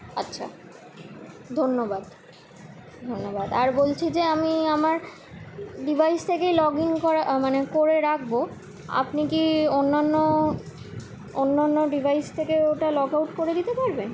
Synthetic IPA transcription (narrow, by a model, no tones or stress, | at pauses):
atːɕʰa̰ | d̪ʱonːobad̪ | d̪ʱonːobad̪aɾbolt͡ɕʰid͡ʑeamiamaɾ | ɖibʱajst̪ʰekejlɔɡiŋkɔɾamanekoɾeɾak̚ʰbo | a̰pnikionːanːo | onːanːoɖibʱajst̪ʰekeoʈalɔkawʈkoɾed̪it̪epaɾbe